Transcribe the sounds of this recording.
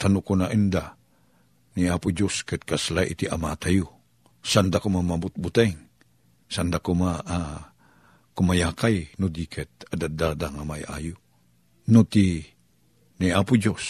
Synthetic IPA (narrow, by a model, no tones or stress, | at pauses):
t̪anʊkonaʔind̪a | niapud͡ʒoskɛt̪̚kaslaʔḭt̪iʔamat̪aju | sand̪akumamabʊt̪̚but̪ɛŋ | sand̪akuma | kumajaːkajnud̪ikʰɛt̪̚ad̪ad̪ad̪aŋamaja̰ju | nut̪i | niapud͡ʒos